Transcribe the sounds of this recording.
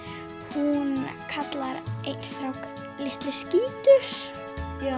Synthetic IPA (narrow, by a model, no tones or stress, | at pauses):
hunkʰat̪laɾejnsθɾawk | lɪht̪lɪsciːt̪ʏɾ̥